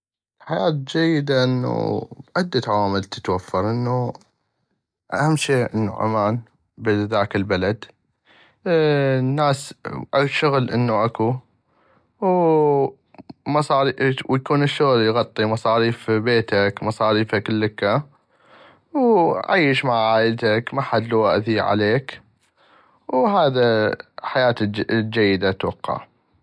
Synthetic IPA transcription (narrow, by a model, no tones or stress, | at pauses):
lħajaːt̪d͡ʒajːɪd̪aʔɪnːṵbʔad̪ːat̪aʕawaːmɪlt̪ə̥t̪wafːɑɾˤʔɪnːu | ʔa̰hamːʃeːʔə̰nːṵʔa̰maːn | bɪðaːkɪlbalad̪ | nːaːsʔaʃʊɣlʔɪnːuʔaku | w | mɑsˤɑːɾiwjakuːnɪʃːʊɣljɣɑt̪ˤːimɑsˤɑːɾiːfbeːt̪akmɑsˤɑːɾiːfakɪlːəkːa | wʕa̰jːəʃmaʕʕaːʔəlt̪akmaħad̪luwaʔθiʕa̰leːk | wɦaːðaħajaːt̪d͡ʒajːɪd̪at̪wɑ̰qːɑ̰ʕ